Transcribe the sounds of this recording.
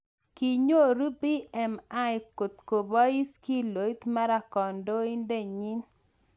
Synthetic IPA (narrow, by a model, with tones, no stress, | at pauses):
ki˨ɲo˦˨ɾu˦bi˦ɛ˨ma˦jko˨t̪ko˨bɔ˦i˦ski˦lo˨˦t̪ma˦ɾa˨kɔ˨ndo˦i˦nde˦˨ɲi˦n